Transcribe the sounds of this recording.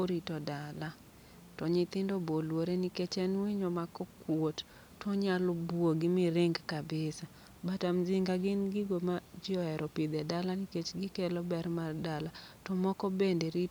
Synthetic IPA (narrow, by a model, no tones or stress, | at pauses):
oɾitɔdala | tɔɲɪt̪ɪndɔbolwoɾeniket͡ʃɛnwiɲɔmakɔkwotːʰ | ɔɲalɔbwoɡɪmɪɾɪŋɡkabɪsa | batamzɪŋɡaɡɪnɡɪɡomad͡ʒɪɔɛɾʔɔpɪd̪ɛdalaniket͡ʃɡɪkelobɛrmardalatɔmɔkɔbendeɾi